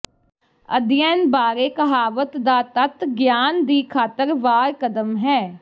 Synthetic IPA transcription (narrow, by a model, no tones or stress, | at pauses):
ə̰d̪ɪjɛːnbaːɾeːkəɦaːʋət̪d̪aːt̪ət̪ɡjaːnd̪iːkʰaːt̪əɾʋaːɾkəd̪əmɦɛː